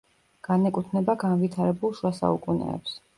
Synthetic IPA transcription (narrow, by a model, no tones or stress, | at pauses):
ɡ̥anɛkʼut̪ʰnɛbaɡanvit̪ʰaɾɛbulˠʃwasa̰ukʼunɛ̰ːps